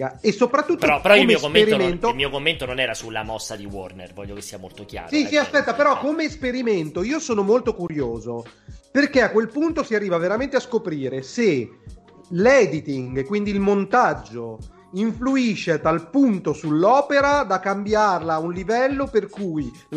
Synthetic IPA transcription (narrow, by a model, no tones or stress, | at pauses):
esːopɾat̪ːut̪ːoɾɔpːeɾɔomeioomːeeɾioment̪oilmiːokomːent̪ononɛːɾasulːa̰mɔsːad̪iwɔ̰rnḛrvɔ̰ʎːjokesːiamolt̪okja̰ːɾsisiaspɛt̪ːapeɾɔkːomeːspeɾiment̪oiːosoːnomolt̪okuɾjoːzoperkeakːwelpunt̪osiarːiːvaveɾament̪easkopɾiːɾese | lɛd̪it̪iŋɡkwind̪iːlmont̪ad͡ʒːo | iɱfluiʃːeat̪alpunt̪osulːɔːpeɾad̪akːambjarlaunlivɛlːoperkuj